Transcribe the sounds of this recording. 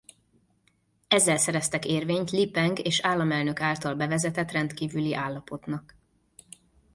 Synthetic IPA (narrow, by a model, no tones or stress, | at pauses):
ɛzːɛlsɛɾɛst̪ɛkeːrveːɲt̪lipɛŋɡeːʃaːlːɒmɛlnø̞kaːlt̪ɒlbɛvɛzɛt̪ɛt̪rɛnt̪kiːvyliʔaːlːɒpo̞t̪nɒk